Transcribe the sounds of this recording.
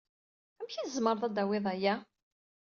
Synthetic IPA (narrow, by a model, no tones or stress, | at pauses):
æmçizməɾˤðˤæd̪æwɪðˤæjæ